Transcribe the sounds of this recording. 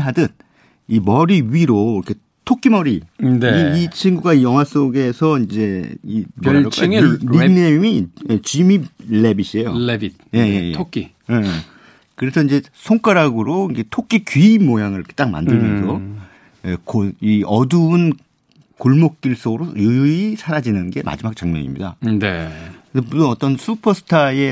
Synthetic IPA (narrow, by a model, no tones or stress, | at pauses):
ɦadɯn | imʌɾiɥiɾoiɾʌkʰe̞ | tʰok͈ʰimʌɾineit͡ɕʰinɡuɡaijʌŋɦwas͈oɡe̞sʰʌind͡ʑe̞imŋɾinemiet͡ɕimiɭːebiɕʰiejoebi | je̞jejeokʰi | e | kɯɾe̞sʰʌind͡ʑe̞ | sʰoŋk͈aɾaɡɯɾoiɡe̞tʰok͈ʰikiimojaŋɯɭke̥t͈aŋma̰ndɯɭmjʌnsʰʌ | ekoiʌduun | koɭmok̚k͈iɭs͈oɡɯɾojujuisʰaɾad͡ʑinɯnɡe̞mʔa̰d͡ʑimak̚t͡ɕaŋmɲʌ̰ɲḭmɲḭda̰neesʰʌmutonʌt͈ʌnsʰupʰʌsʰɯ̥tʰae̞